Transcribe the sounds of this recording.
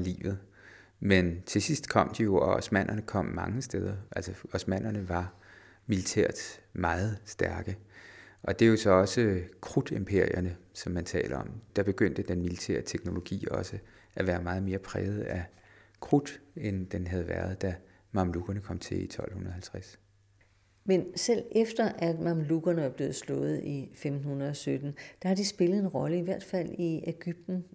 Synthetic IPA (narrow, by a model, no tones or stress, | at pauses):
ɑlḭːʋð̞̩ˠ | ment͡sʰe̝sisd̥kʰɒ̽m̰d̥ijo̝ɒɒsmæn̰ʔɐnəkʰɒ̽m̰ːɑ̈ŋəsd̥eð̞ˠɐʔælsɒɒsmæn̰ɐnəʋɑ̈ | milit͡sʰɛ̰ɐ̰d̥mɑ̈ːð̩ˠsd̥æɐɡ̥əʔɒ̽d̥e̝jo̝sɒ̽ɒ̽səkʰʁud̥e̝mpʰe̝ɐ̰iɐnəsɒ̽mːænt͡sʰɛ̰ːlɐɒ̽md̥ɑ̈b̥e̝ɡ̥øn̰d̥əd̥enmilit͡sʰɛ̰ːɐt͡sʰeɡ̥no̝lo̝ɡ̥ḭːɒ̽sə | ʔæʋæːɐmɑ̈ːð̞̩ˠme̝ːɐpʰʁɛ̰ːð̞̩ˠækʰʁud̥end̥enɦæð̞̩ˠʋæɐð̞ˠd̥æ | mɑ̈mluɡ̥ɐnəkʰɒ̽m̰t͡sʰe̝ḭt͡sʰɒ̽l̰hunɐð̩ˠhælt͡sʰʁas | mensel̰efd̥ɐʔæd̥mɑ̈mluɡ̥ɐnəʋɑ̈b̥le̝ːð̞̩ˠslɔ̰̽ːð̞̩ˠifemd̥n̩hunɐð̩ˠɒ̽sød̥n̩d̥ɑ̈hɑ̈d̥isb̥e̝ləð̩ˠe̝nʁɒ̽ləiʋæɐ̰d̥fæl̰ieɡ̥yb̥̚d̥n̩